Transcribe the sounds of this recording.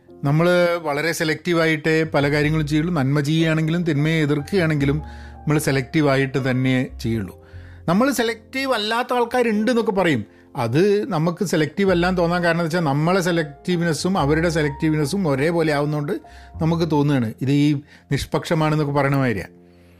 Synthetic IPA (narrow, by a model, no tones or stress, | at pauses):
nɐmːɐɭʋɐɭɐɾe̞selek̚tiʋaːjiʈːɨpɐlɐkaːɾjɐŋːɐɭumt͡ɕe̞juɭːunɐnmɐt͡ɕejːijaːɳe̞ŋɡilumt̪inmɐjeeðirkɨjaːɳe̞ŋɡilumɐmːɐɭse̞lɐk̚tiʋaːjiʈːɨt̪ɐnːe̞t͡ɕe̞jːuɭːu | nɐmːɐɭse̞lɐk̚tiʋɐlːaːt̪ːɐaːɭkaːɾeɳɖɨe̞nːokːepɐrɐjum | ɐðɨnɐmukːɨselɐk̚tiʋelːaːnt̪o̞ːnːaːnkaːɾɐɳɐnt̪ːɐt͡ɕːaːlnɐmːɐɭes̬e̞lɐk̚tiʋinɐsumɐʋɐɾuɽe̞s̬elɐk̚tiʋinɐsumoɾe̞ːpoːleaːʋunːoːɳɖɨnɐmuk̬ːɨt̪o̞ːnːujaːɳɨiðɨiː | niʂpɐkʂɐmaːɳe̞nːokːepɐrɐjɐɳɐmaːjiɾija̰